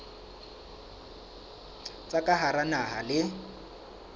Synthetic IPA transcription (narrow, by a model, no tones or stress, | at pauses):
t͡sʼakʼaɦaɾanaɦalɪ